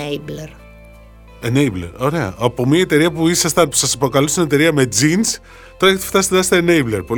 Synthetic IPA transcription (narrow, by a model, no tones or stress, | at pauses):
ebleɾ | enejblḛɾo̞ɾe̞ɐ̰ʔɐpo̞mɲɐet̪e̞ɾiɐpuisɐst̪ɐnpu̥sɐspɾokɐlust̪ine̞t̪e̞ɾiɐme̞d͡zins | t̪o̞ɾɐʝɐt̪i̥ft̪ɐset̪eɐset̪eneibleɾpo̞